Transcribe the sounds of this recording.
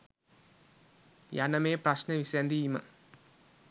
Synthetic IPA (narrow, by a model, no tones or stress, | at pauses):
janɐmeːprɐɕnɐʋisend̪ijimɐ̰